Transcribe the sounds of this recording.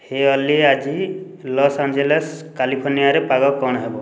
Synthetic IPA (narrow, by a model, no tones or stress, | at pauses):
heɔliead͡ʒi | lɔsand͡ʒeleskalipʰoɾnijaɾepaɡɔkɔɽ̃ɔɦebɔ